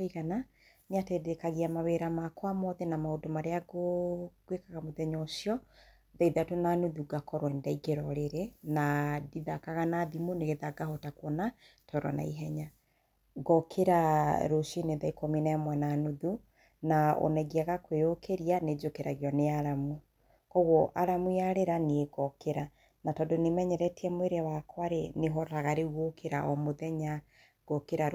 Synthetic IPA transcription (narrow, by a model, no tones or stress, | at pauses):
iɣana | ɲatedekaɣiamaweɾamakwamɔðɛnamaodomaɾeaɡoɡ̥wekaɣamoðɛɲɔʃjɔ | ðaiðatonanuðuɡakɔɾwɛndaiɡeɾɔɾeɾenadiðakaɣanaðimoneɣeðaɡahɔtakwɔna | tʰɔɾɔ̰na̰iɦɛɲa | ɡɔkʰeɾaɾoʃineðaikominaɛmwɛnanoðu | nao̰nɛɣiaɣakweokʰeɾijaned͡ʒokeɾaɣjɔneaɾamu | kɔɣɔʔaɾamujaɾeɾanieɡɔkeɾa | natɔdonemɛɲɛɾɛtiɛmweɾeawakwaɾeneɦɔɾaɣaɾeuɣokʰeɾaʔɔmoðɛɲa | ɡ̥ɔkeɾa